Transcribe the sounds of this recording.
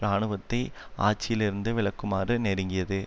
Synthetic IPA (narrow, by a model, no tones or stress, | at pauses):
ɾaːɳɯʋɐt̪ːɐɪa̰ːt͡ʃːɪjɪlɪɾɯnd̪ɯʋɪɭɐkːɯmaːɾɯneːɾɯŋɡɪjɐðɯ